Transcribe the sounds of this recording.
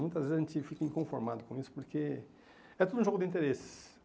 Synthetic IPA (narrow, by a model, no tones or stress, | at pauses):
mũj̃t̪ɐzvezaʒẽnt͡ʃ̪ɪfikɐĩkõfoɾmad̪ʊkõisʊ̥poɾkʰe | ɛt̪od̪ũʒoɡʊd̪ɪĩnt̪eɾesɪ̥s